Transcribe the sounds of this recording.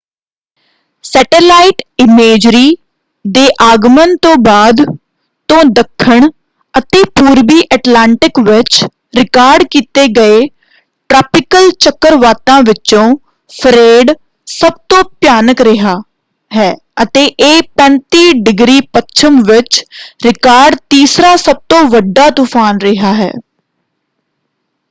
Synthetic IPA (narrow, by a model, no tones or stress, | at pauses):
sɛːʈelaːiʈɪmeːd͡ʒɾiː | d̪eːʔaːɡmənt̪õːbaːd̪ | t̪õːd̪əkʰːəɳ | ət̪eːpuːɾbiːʔɛːʈlaːɳʈɪkʋɪt͡ʃ | ɾɪkaːɾɖkiːt̪eːɡəeː | ʈɾaːpɪkəlt͡ʃəkːəɾʋaːt̪ãːʋɪt͡ʃõː | pʰəɾeːɖ | səb̚t̪õːpjaːnəkɾɪɦaː | ɦɛː | ət̪eːʔeːpɛ̃ːnt̪iːɖɪɡɾiːpətːt͡ʃʰəmʋɪt͡ʃɾɪkaːɾɖt̪iːsɾaːsəb̚t̪õːʋəɖːaːt̪upʰaːnɾɪɦaːɦɛ̰ː